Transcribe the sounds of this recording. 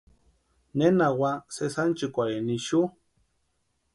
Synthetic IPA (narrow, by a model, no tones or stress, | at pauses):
nenawasesant͡ʃikʷaɾiniʃu